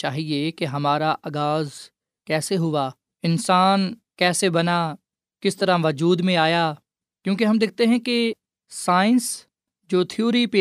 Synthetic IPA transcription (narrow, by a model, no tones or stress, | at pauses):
t͡ʃaːɦiekeɦɐmaːɾaʔaːɡaːz | kɛːseɦʊʋaː | ɪnsaːnkɛːsebɐnaː | kɪst̪əɾaʋɐd͡ʒuːd̪mẽaːjaː | kjõːkeɦɐmd̪ɪːk̚ʰt̪eɦɛ̃ke | saːɪ̃ns | d͡ʒoːt̪ʰɪjuːɾipeː